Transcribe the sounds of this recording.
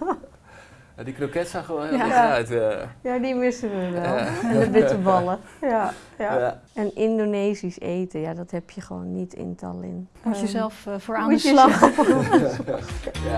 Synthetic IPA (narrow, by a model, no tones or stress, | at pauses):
madikrokɛtsaχəʋonhlajtajadimɪsəʋəʋɛlˠɛndəbɪtəbɔlˠəja | ɛnɪndoneːsiseːtəjadɔthɛpʰjəχəʋo̰ːnːitʰɪ̰ntʰa̰lɪ̰n | əzɛlˠffoaulaxə